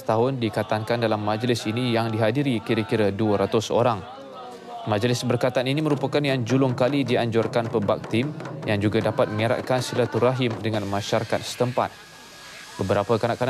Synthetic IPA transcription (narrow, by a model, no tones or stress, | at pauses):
t̪aɦʊndikat̪aŋkandalamːãd͡ʒlɪsinijaŋdiɦadiɾikiɾəkiɾaduəɾat̪ʊso̰ɾaŋ | mãd͡ʒlɪsbərkat̪aaninimə̃ɾupakanjaŋd͡ʒulʊŋkalidiaɲd͡ʒɔrkanpəba̰k̚t̪ɪmjaŋd͡ʒuɡadapat̪̚mə̃ŋiɾa̰ʔ̪̚kansilat̪uɾaɦɪmdəŋãnmãʃaɾakat̪̚sə̥t̪əmpa̰t̪̚ | bəbəɾapəkanaʔkan